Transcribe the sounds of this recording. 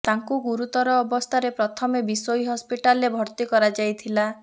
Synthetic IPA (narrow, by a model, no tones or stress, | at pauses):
t̪aŋkuɡuɾut̪ɔɾɔːbɔst̪ʰaɾepɾɔt̪ʰɔmebisojiɦɔspiʈalebʱɔɾt̪ikɔɾad͡ʒajt̪ʰila